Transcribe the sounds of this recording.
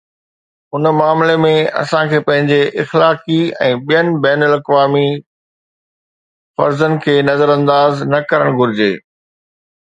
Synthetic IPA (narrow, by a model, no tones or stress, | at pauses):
ʊnmaːmlemẽɐ̰sãkʰeːpɐ̃ɦɪ̃ɲd͡ʑeʔɪxlaːkiɛ̰̃ːɓijənɪ̆bɛːnəlɐkʋaːmi | fɐɾzənɪ̆kʰeːnɐzəɾɐ̃nd̪aːznɐkɐɾəɽ̃ɡʱʊɾɪd͡ʑḛː